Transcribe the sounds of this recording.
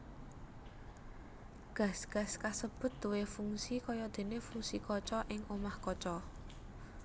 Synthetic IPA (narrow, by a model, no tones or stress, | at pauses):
ɡ̥ä̤sɡ̥ä̤skasəb̥ʊ̤t̪̚d̪̥uwefuŋsikɔjɔd̪̥e̤nefuŋsikɔt͡ʃɔʔɪŋomahkɔt͡ʃɔ